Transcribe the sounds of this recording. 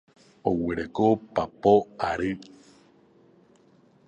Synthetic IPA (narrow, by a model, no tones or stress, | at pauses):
oweɾekopapoaɾɨ